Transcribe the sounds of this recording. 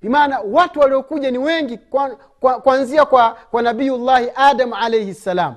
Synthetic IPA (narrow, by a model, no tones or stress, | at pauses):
vimaːnawatuwaliɔkuʄaniwɛŋɡika | kakwanziakwakwanaɓijulːahiʔaːdamʕalɛjhisːalaːm